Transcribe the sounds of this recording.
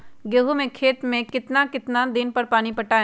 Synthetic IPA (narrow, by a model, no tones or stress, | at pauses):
ɡeːɦumẽkʰeːt̪mẽkɪt̪nakɪt̪nad̪ɪnpɐɾpaːnipɐʈaː